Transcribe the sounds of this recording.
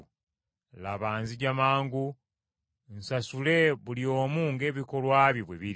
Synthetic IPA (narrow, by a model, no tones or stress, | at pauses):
laβaːnziɟamaːŋɡu | nsasule̞βulio̞ːmuŋɡe̞ːβiko̞lwaːβjiβweβiɾi